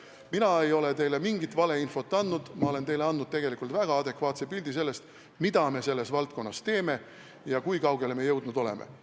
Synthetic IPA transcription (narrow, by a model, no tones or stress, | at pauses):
minɑe̞jo̞le̞t̪e̞jle̞miŋɡit̪ːˑvɑle̞info̞t̪ːɑnːnud̪̥mɑo̞le̞nt̪e̞jle̞ɑnd̪nud̪̚t̪e̞ɡ̥elikːˑult̪væɡ̥ɑɑd̪e̞kvɑːt̪sepilʲd̪̥ise̞lːe̞st̪ | mid̪ɑme̞se̞lːe̞svɑlt̪̚ko̞nːɑst̪e̞ːme̞ | jɑkujkɑwɡ̥e̞lme̞jɤwd̪nud̪o̞le̞̰mḛ